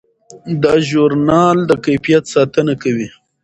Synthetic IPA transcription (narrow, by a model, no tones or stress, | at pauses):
d̪ɑʒuɾnɑld̪əkajfijat̪sɑt̪ənakawi